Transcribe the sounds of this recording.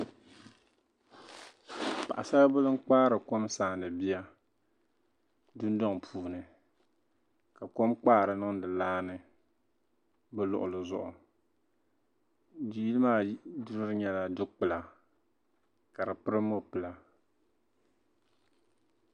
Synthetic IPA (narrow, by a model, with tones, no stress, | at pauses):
pa̰˨ʔa̰˨sa˦bʊ˦lɨ˦ŋ̩˦k͡paː˦ɾɨ˨ko˦msaː˨nɨ˨bi˦ja˦ | dʊ˦n˦dɔ˦ŋ˨pʰuː˨nɨ˨ | ka˨ko˦mk͡paː˦˨ɾɨ˨nɨ˦ŋdɨ˨laː˦nɨ˨ | bɛ˦lʊ̰˨ʔʊ̰˨lɨ˨zʊ̰˦˨ʔʊ˨ | di˨ji˦lɨ˦maː˦du˦ɾɨ˦ɾɨ˦ɲɛ˦la˦dɨ˦k͡pɨ˨la˨ | ka˨ɾɨ˨pɨ˦ɾɨ˦mo˦pɨ˨la˨